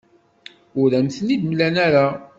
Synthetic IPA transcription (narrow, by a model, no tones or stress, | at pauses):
ʊɾæmθnid̪mlænæɾa